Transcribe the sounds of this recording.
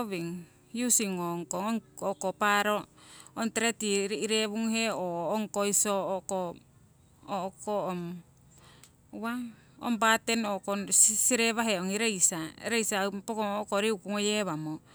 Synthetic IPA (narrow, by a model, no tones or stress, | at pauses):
oβiŋ | jusiŋoŋkoŋokopaɾoːntɾetiɾiɾeβuŋheoːŋkoisoko | okom | wa | o̰mbatenokossiɾeβaɦeoŋiɾejsaḛɾejsapokookoɾiukuŋojeβamo